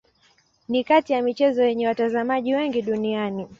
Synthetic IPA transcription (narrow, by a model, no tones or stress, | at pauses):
nikatijamit͡ʃɛzɔjɛɲɛwatazamaʄiwɛŋɡiɗuniani